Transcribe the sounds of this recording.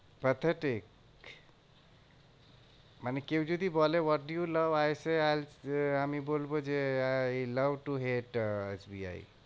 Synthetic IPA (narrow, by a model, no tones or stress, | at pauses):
pət̪ʰəʈik | manekewd͡ʒud̪ibɔlewɔʈ̚ɖujuləʋajsealɦamibolbod͡ʒe | ləwʈuɦeʈesbia̰ḭ